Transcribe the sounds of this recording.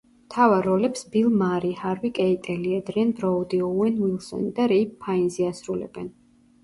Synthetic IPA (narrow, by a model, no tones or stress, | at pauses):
mt̪ʰavaɾɔlɛpsb̥ilˠmaɾihaɾvikʼɛit̪ʼɛliɛd̪ɾiɛnbɾɔud̪iɔɛnwilˠsɔ̰nid̪aɾɛpʰːainziasɾulɛ̰bɛn